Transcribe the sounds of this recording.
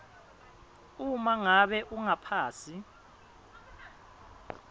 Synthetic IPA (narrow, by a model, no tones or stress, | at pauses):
umaŋaɓɛʔuŋapʰaːsi